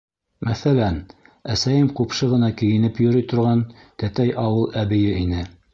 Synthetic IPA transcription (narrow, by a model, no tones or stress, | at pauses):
mæθælæn | æsæjɘmqupʃɤʁɤ̆nɑkɘ̆jɘ̆nɘpjŏɾɤjt̪ŏɾʁɑn | t̪æt̪æjʔɑwɤlˠʔæbɘ̆jɘinɘ